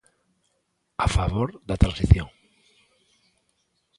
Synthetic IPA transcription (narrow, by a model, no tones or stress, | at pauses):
afaβoɾðat̪ɾãnsiθjõŋ